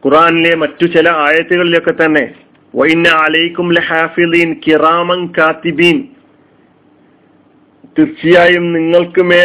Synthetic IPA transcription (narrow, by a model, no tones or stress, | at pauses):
kurʔaːnile̞mɐtːut͡ɕilɐaːjɐt̪ːuɣɐɭilo̞kːe̞t̪ːɐnːe̞̰ | ʋɐ̰inːɐʕalɐjkumliħaːfiðiːnkiraːmɐnkaːt̪ibiːn | t̪irt͡ɕːijaːjumniŋːɐɭkɨmeː